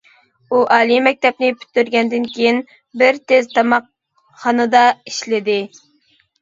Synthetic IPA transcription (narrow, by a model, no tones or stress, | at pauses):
uʔɑːlˠimɛk̚ʲt̪ɛp̚nɪpʰy̥t̪ːyɾɡʲɛnd̪ɪnkʲejin | bɪɾt̪ʰezt̪ʰɑmɑq | χɑnɨd̪ɑiʃlɪd̪ɪ